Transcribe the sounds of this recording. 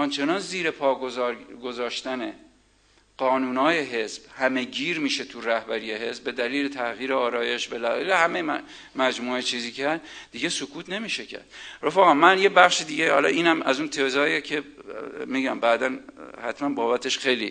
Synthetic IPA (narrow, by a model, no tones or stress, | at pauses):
ɒnt͡ʃʰe̞nɒːnziːɾe̞pʰɒːɡozɒːɾɡo̞zɒːʃt̪æne | ɢ̥ɒːnuːnɒːje̞ɦe̞sb̥hæme̞ɟiːɾmiːʃe̞t̪ʰuɾæhbæɾiːje̞ɦe̞sbbe̞d̪æliːlet̪ʰæɣiːɾeɒːɾɒːje̞ʃbelæɣæ̰lehæmej | mæd͡ʒmuːet͡ʃʰiːziːcʰeæd̪d̪̥iɡe̞sokʰuːt̪ʰne̞miːʃecʰæ̰ɾd̪ro̞fæɣɒnmænjebæχʃid̪iːɟehɒ̰lɒ̰ːʔiːnæmæzunt̪ʰezɒːjecʰe̞miːɟæmbæːd̪ænhæ̰t̪ʰmænbɒːbæt̪ʰe̞ʃxe̞jlḭ